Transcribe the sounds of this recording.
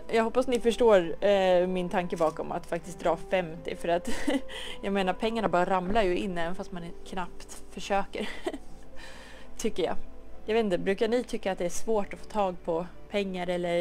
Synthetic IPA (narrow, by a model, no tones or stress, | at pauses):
jɑːɡɦɔpːasnɪfœʂʈoːɾmɪnt̪ʰaŋkəbɑːkɔma̰t̪fakt̪ɪst̚d̪ɾɑːfɛmt̪ɪ̰fœɾat̪ | jɑːɡmeːnaɾpʰɛŋːaɳabɑːɾaɾamlaɾjɵɪnːəɛnfast̪mankʰnapt̪fœʂøːkəɾ | t̪ʰʏkːəɾjɑ̰ːjaveːt̪nt̪əbɾʉ̟ːkaɳɪt̪ʰʏkːat̪d̪ɛæʂvoːʈɔfoːt̪ʰɑːɡ̚pʰɔpʰɛŋːaɾɛlːəɾ